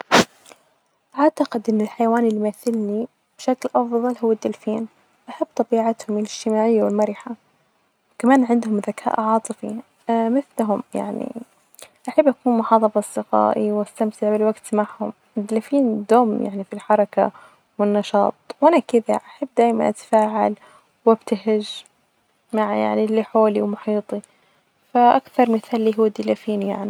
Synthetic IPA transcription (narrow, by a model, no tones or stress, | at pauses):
ʔaʕt̪aqɪd̪ʔɪnːɪlħajawaːnɪlːimaθɪlni | b̥ɪʃaklʔɑfðˤɑlɦʊwːad̪ːɪlfiːn | ʔaħabːt̪ˤɑbiːʕat̪hʊmɪlɪd͡ʒ̥t̪ɪmaːʕɪjːawɪlmaɾɪħa | wkamaːnʕɪnd̪hʊmðakʰa̰ːʔʕɑːt̪ˤɨfi | mɪθlɦʊmja̰ʕnḭ | ʔaħabːʔakuːnmʊħɑːðˤɑfɑsd̪ɪqɑ̰ːʔiwʔast̪amt̪ɪʕabɪlwaɡt̪maʕhʊ̰m | ɪd̪ɪlafiːnd̪oːmja̰ʕnifilħɑɾˤɑka̰ | wɪnːɑʃɑ̰ːt̪ˤwʔanakɪða̰ʔaħabːd̪aːjma̰nʔat̪ḁfaːʕal | wabt̪aɦɪʒ | maʕja̰ʕnilːiħoːliwmʊħiːt̪ˤi | faʔakθɑɾˤmɪθaːlːiːɦuːd̪ɪlafiːnja̰ʕni